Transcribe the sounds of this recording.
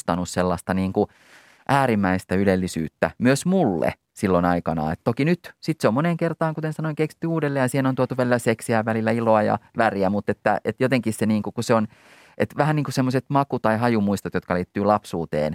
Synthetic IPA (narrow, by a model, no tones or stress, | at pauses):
t̪ɑnusselːɑst̪ɑniːŋku | ʔæːɾimːæist̪æylelːisy̰ːt̪ːæ̰myøsmulːḛ | silːonɑikɑnɑ̰ːḛt̪t̪okinyt̪sit̪seomoneŋkert̪ɑːŋkut̪ensɑnoiŋkeksi̥t̪ːyuːdelːeːjɑsiːhenont̪uot̪uʋælilæseksiæʋʋælilːæiloɑjɑ̰ʋæriæmut̪ːet̪ːæ̰et̪jot̪eŋkisseniːŋkukuseon | et̪ʋæhæniːŋkusemːoset̪mɑkut̪ɑiɦɑjumuist̪ɑt̪jot̪kɑliːt̪ːyːlɑpsuːt̪ḛːn